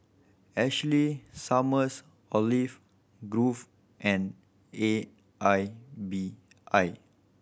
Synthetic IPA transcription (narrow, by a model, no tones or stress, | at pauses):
ɛt͡ʃəlisaməs | ɔlif | ɡɹuf | ʔɛ̃n | e | ʔajbi | ʔaj